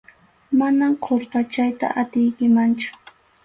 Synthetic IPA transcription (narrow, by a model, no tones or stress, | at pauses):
manamqʰoɾqɑt͡ʃajt̪a̰ʔat̪ɪjkɪmant͡ʃʊ̥